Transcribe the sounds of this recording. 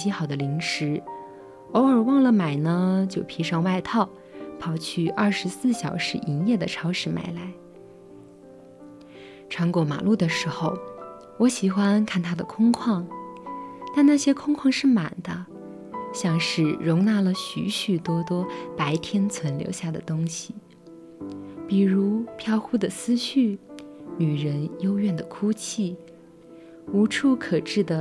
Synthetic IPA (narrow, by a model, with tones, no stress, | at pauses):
i˧˥xɑ˨˩ʊd̪ə˦li˧˥ŋʂɻ̩˧˥ | o˧˥ʊə˞˨˩wɑ˥˩ŋlə˩ma˨˩ɪnə˧t͡ɕjo˥˩ʊpʰi˧˥ʂɑ˥˧ŋwa˥˧ɪt̪ʰɑ˥˩ʊ | pʰɑ˧˥ʊt͡ɕʰy˥˩ʔɐ˞˥˩ʂɻ̩˧˥sɹ̩˥˩ɕjɑ̰˨˩ʊʂɻ̩˧˥ʔi˧˥njɛ˥˩d̪ə˩ʈ͡ʂʰɑ˧˥ʊʂɻ̩˧˥ma̰˧˩ɪla˧˥ɪ | ʈ͡ʂʰɑ˧˥ŋkwɔ˧˥ma̰˨˩lu˥˩d̪ə˩ʂɻ̩˧˥xo˥˧ʊ | wɔ˧˥ɕi˨˩xwa˥nkʰa˥˩nt̪ʰa˥d̪ə˨kʰʊ˥ŋkʰwɑ˥˩ŋ | t̪a˥˧nna˥˧ɕjɛ˥kʰʊ˥ŋkʰwɑ˥˧ŋʂɻ̩˥˩ma̰˨˩nd̪̥ə˦ | ɕjɑ˥˧ŋʂɻ̩˥˩ɻʊ˧˥ŋna˥˩lə˨ɕy̰˧˥ɕy˨˩t̪wɔ˥t̪wɔ˥pa˧˥ɪt̪ʰjɛ˥nt͡sʰwə˧˥nljo̰˧˥ʊɕja˥˩d̪ə̰˩t̪ʊ˥ŋɕi˨˩ | pi˨˩ɻu˧˥pʰjɑ˥˩ʊxu˥d̪ə˨sɹ̩˥ɕy˥˩ny˨˩ɻə˧˥njo˥ʊɥɛ˥˩nd̪ə˩kʰu˥t͡ɕʰi˥˩ | u˧˥ʈ͡ʂʰu˥˩kʰɤ˨˩ʈ͡ʂɻ̩˥˩d̪ə˩